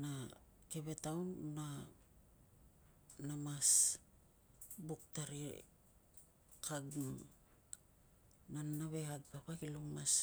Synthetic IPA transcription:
nake̞βe̞tawnːa | namas | buk̚taɾḭ | kʰaɡm | nanaβe̞haɡ̚papakiluŋmas

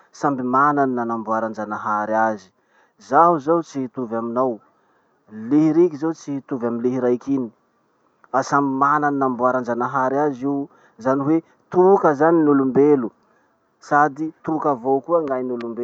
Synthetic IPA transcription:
sambimananinanambuaɾand͡ʒanaɦaɾiazi̥ | zaɦuzawt͡sihit̪uvaminow | liɦiɾikizewt͡sihit̪uvaminliɦiɾajkini̥ | fasambimananinambuaɾand͡ʒanaɦaɾiaziw | zaniwe | t̪ukəzaninulumbelu | sad̪it̪ukəvokuəŋɡajnulumbe

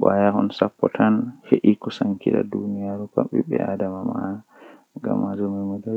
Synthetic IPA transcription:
ɓajahɔnsapːɔtʰanheʔikɔsaŋkiɗa̰dunijaɾupa̰ɓɛ̰ɓɛ̰ʔadamama | ŋɡa̰mːad͡ʒɔmɛmɔdɔ

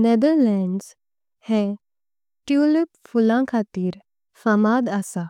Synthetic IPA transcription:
ned̪əɾlɛɳɖz | hẽ | ʈjulipfulãkʰat̪iːɾ | fəmad̪asa

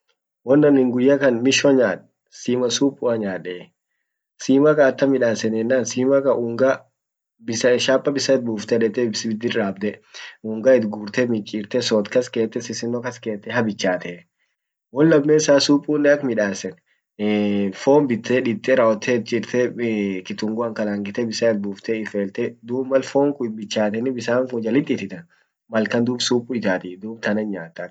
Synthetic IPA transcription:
wɔnːɐnɪŋɡʊjːɐkɐnmɪʃɔɲaːᶑ | siːmɐsuːpʼːʊɐɲaːᶑɛː | siːmɐkɐːt̪ːɐmɪᶑaːsɛnɛnːaːnsiːmɐkɐʔuːŋɡɐ | bɪsɐʃaːpʼːɐbɪsɐt̪̚buːft̪ɛᶑɛt̪ːɛbsbɪd̪ːɪɾaːbd̪ɛuːŋɡɐɪt̪ɡuːɾt̪ɛmɪt͡ʃʼːiːɾt̪ɛsɔt̪kɐskeːt̪ːɛsɪsɪnːɔkɐske̞ːt̪ːɛhɐbɪt͡ʃːaːt̪ɛ | wɔnlɐmːeːsaːsuːpʼːuːnːɛɐkmɪᶑaːsɛn | foːmbɪt̪ːɛᶑɪt̪ʼːɛɾɐɔt̪ʰːɛt̪̚t͡ʃʼɪɾt̪ʰɛkɪt̪ʊŋɡʊɐŋkɐlaːŋɡɪt̪ɛbɪsaɛt̪̚buːft̪ɛɪfeːlt̪ɛd̪uːbmɐlfoːŋkʊɪbɪt͡ʃːaːt̪ɛnɪbɪsaːŋkʊd͡ʒɐlɪt̪ʼːɪt̪ɪt̪ɐn | mɐlkɐnd̪uːbsuːpʼʊɪt̪aːt̪ɪd̪uːbt̪ɐnɐɲaːt̪ːɐk

